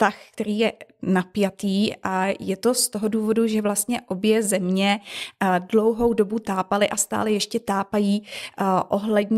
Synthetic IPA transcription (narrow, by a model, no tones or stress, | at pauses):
t̪axkt̪ɛɾiːjɛnapjat̪iːʔajɛt̪o̞st̪oɦo̞duːvo̞duʒɛvlast̪ɲɛʔo̞bjɛzɛmɲɛ | dlo̞wɦo̞wdo̞but̪aːpalɪʔast̪a̰ːlɛjɛʃcɛt̪aːpajiːʔo̞ɦlɛdɲ